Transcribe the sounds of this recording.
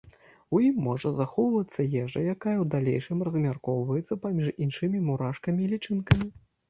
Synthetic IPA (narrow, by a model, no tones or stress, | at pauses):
ujimːɔʐɐzaxɔwvɐt̪sːɐjɛʐɐ̰jakajɐwd̪alʲejʂɨmrɐzmʲarkɔwvɐjɛt̪sːɐpamʲiʂinʂɨmʲimuɾaʂkɐmʲiːlʲit͡ʂɨnkɐmʲi